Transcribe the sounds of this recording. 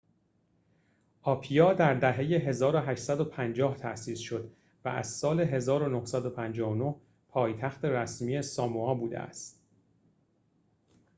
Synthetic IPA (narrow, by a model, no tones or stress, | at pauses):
ʔɒːpʰijɒːd̪æɾd̪æɦe̞je̞ɦe̞zɒːɾoɦæʃt̪sæd̪o̞pʰænd͡ʒɒːht̪ʰæʔsiːsʃo̞d̪ | væ̰æ̰zsɒːle̞ɦe̞zɒːɾonohsæd̪o̞pʰænd͡ʒɒːono̞h | pʰɒːjt̪ʰæxt̪e̞ɾæsmiːe̞sɒːmuɒːbuːd̪ḛæ̰st̪